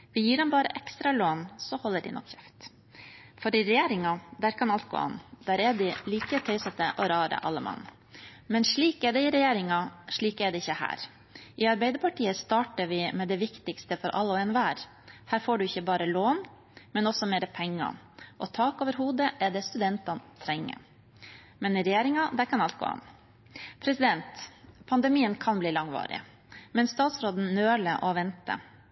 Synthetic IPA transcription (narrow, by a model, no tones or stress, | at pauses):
ʋɪjiːɖɛmbɑːɾəʔɛkst̪ɾɑloːnsɔhɔlːəɖɪ̰nɔ̰kçɛft̪ | fɔɾɪɾɛjeːɾɪŋɑd̪æːɾkʰɑnɑlt̪̚ɡo̰ːɑ̰nːd̪̥æːɾɛd̪ɪliːkət̪ʰœʏsɛt̪əʔɔɾɑːɾə̰ʔɑ̰lːəmɑ̰nː | mɛnʂɭiːkɛɖ̪ɛɪɾɛjeːɾɪŋɑʂɭiːkɛɖ̪ɛɪçːəhæ̰ːɾ | ʔɪɑɾbɛɪd̪əɾpʰɑʈʰiːəst̪ɑːʈəɾʋɪmɛd̪ɛʋɪkt̪ɪkst̪əfɔɾʔɑ̰lːəɔɛnʋæːɾ | hæːɾfoːɖʉɪçːəbɑːɾəloːn | mɛnɔsɔmeːɾəpʰɛŋːɑ̰ʔɔt̪ʰɑːkoːʋəɾɦuːd̪əʔɛɖ̪ɛst̪ʉd̪ɛnt̪ɑnt̪ʰɾɛŋːə̰ | mɛnɪɾɛjeːɾɪŋɑd̪æɾkʰɑnɑlt̪ɡo̰ːɑ̰n | pʰɾɛsɪd̪ɛnt̪pʰɑnd̪ɛmiːənkʰɑnbliːlɑŋʋɑ̰ːɾɪ̰ | mɛnst̪ɑːt̪sɾoːd̪n̩nøːɭəʔɔʋɛnt̪ə̰